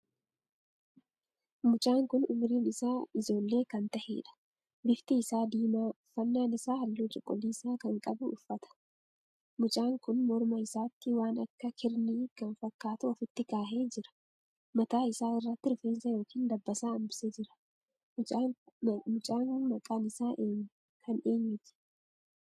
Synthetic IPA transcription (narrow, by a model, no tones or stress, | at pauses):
mʊt͡ʃʼaːŋkʊnʊmɾiːnɪsaːɪd͡ʒo̞ːlːe̞ːkɐnt̪ɐhḛːᶑɐ̥ | bɪft̪ɪːsaːd̪iːmaːʊfːɐnːaːnɪsaːhɐlːuːt͡ʃʼɔkʼːɔliːsaːkɐŋkʼɐbʊʊfːɐt̪ɐ̥ | mʊt͡ʃʼaːŋkʊnmɔɾmɐɪsaːt̪ːɪwaːnɐ̰kːɐkʰɪɾniːkɐnfɐkːaːt̪ʊɐfɪt̪ːɪkaːɦe̞ːd͡ʒɪɾɐ̥ | mɐt̪aːɪsaːɪrːɐt̪ːɪɾʊfeːnsɐjo̞ːkiːnd̪ɐbːɐsaːɐmbɪsed͡ʒɪɾɐ̥ | mʊt͡ʃʼaːnmɐkʼaːnɪsaːʔeːɲː | kʰɐneːɲːɪtɪ̥